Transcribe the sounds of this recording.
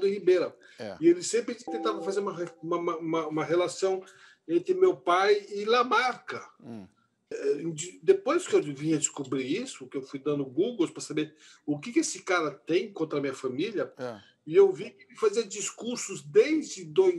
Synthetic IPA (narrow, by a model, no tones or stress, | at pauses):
d̪ɪhibeɾɐ | ɪelɪsẽmpɾɪt̪ẽnt̪avɐ̃fazeɾũmɐũmɐmɐũmɐũmɐɦelasɐ̃w̃ | ẽnt̪ɾɪmewpajɪlamaɾkɐ | d͡ʒd̪epojskɪewvĩɲɐd͡ʒɪskubɾiɾisʊkɪewfujd̪ɐ̃nd̪ʊɡuɡowspɾɐsabeɾʊkɪkɪesɪkaɾɐt̪ẽj̃kõnt̪ɾɐamĩɲɐfamiljɐ | ɪewvikɪɪfaziɐd͡ʒiskuɾsʊzd̪ejzd͡ʒɪd̪oj